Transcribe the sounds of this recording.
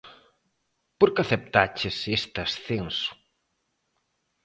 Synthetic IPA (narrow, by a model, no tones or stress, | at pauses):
poɾkaθep̚t̪at͡ʃɪsest̪asθensu̥